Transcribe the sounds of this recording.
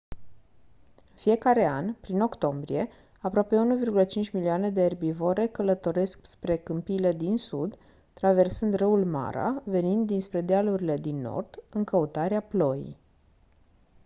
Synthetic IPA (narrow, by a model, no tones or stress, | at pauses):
ɨnfie̞kaɾe̞anpɾino̞kt̪o̞mbɾḭe̞ | apɾoape̞unuvirɡulət͡ʃint͡ʃʲmiliane̞d̪e̞ːrbivo̞ɾe̞kələt̪o̞ɾe̞skspɾe̞kɨmpiːle̞d̪insud̪ | t̪ːɾave̞rsɨnd̪rɨulma̰ɾa̰ve̞nind̪ːinspɾe̞d̪ealuɾile̞d̪inːo̞̰rd̪̥ɨŋkəut̪aɾeaplo̞jḭj